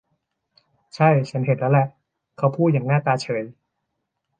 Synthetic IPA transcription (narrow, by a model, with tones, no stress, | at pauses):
t͡ɕʰa˥˩jt͡ɕʰa˦˥nhe˨˩lɛ˦˥wlɛ˨˧˩ʔ | kʰa˦˥wpʰuː˥˩t̪̚jaː˨˩ŋnaː˥˩t̪aː˧t͡ɕʰɤː˩˦j